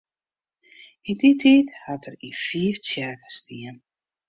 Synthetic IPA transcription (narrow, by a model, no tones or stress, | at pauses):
inditʰiːthatʰərifiəft͡sjɛrkə̥stʰiən